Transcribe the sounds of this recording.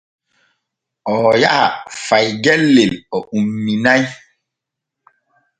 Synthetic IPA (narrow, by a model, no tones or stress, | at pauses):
ɔjaʔa̰fajɡɛlːelɔʔumːinaj